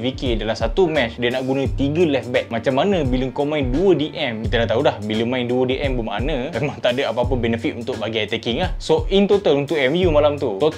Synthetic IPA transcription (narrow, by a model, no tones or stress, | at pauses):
vikedalamsat̪umɛt͡ʃdiənaʔɡunə̃t̪iɡəlɛfbɛk̚mãt͡ʃamːanə̃biləŋkomãjnduədiʔɛmkit̪əlaht̪aɦulahbiləŋmãinduədiʔɛmbəma̰nə̃memaŋt̪aʔdəapaːpəbɛnəfit̪unt̪ʊʔ̚baɡat̪ɛkiŋlahsoʔint̪ot̪alunt̪ʊʔɛmjumalamt̪ut̪ot̪